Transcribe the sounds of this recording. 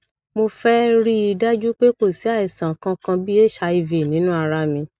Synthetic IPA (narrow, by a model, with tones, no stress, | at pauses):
mo˧fɛ˦ɾi˦i˧da˦d͡ʒu˦k͡pe˦k͡po˦˨si˨˦a˦˨i˨sã˨kã˧kã˧bi˦e˦˨ʃa˧i˧ve˨nĩ˨˦nũ˦a˧ɾa˧mĩ˧